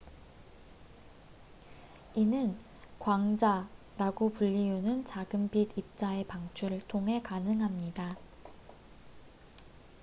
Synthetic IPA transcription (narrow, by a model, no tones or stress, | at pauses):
inɯn | kwaŋd͡ʑa | ɾaɡopuʎːiunɯnt͡ɕaɡɯmbidip̚t͡ɕ͈ae̞paŋt͡ɕʰuɾɯɭtʰoŋɦe̞kanɯŋɦamɲida